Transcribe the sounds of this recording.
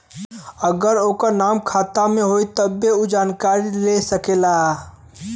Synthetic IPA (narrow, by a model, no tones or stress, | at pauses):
əɡəɾokəɾnamkʰat̪amẽɦojt̪əbeud͡ʒankaɾilesəkela